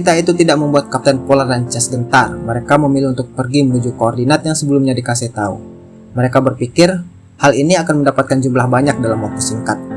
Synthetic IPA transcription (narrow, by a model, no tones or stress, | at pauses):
it̪ait̪ut̪idaʔ̚məmbuat̪̚kap̚t̪ɛnpolardaɲt͡ʃasɡənt̪arməɾekaməmiliunt̪ʊk̚pərɡimənud͡ʒukoːrdinat̪̚jaŋsəbəlumɲadikasɪht̪aṵ | məɾekabərpikɪr | haliniakanməndapat̪̚kand͡ʒumlahbaɲak̚dalamwat̪osiŋkat̪̚